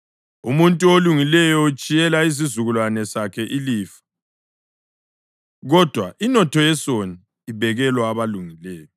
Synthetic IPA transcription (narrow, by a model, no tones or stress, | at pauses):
umuntʼuoluŋilɛjɔut͡ʃʼijɛlais̬izuɣulwanɛsakʰɛʔiliːfḁ | ɣɔd̥ʱwaʔinɔtʰɔjɛsoniː | bʱɛɣɛlwaːβaluŋilɛːjɔ